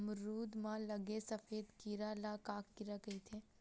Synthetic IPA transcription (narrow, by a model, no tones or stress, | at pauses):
mɾuːd̪mãlɐɡesəfeːd̪kiɾalakaːkːɪɾakəit̪ʰeː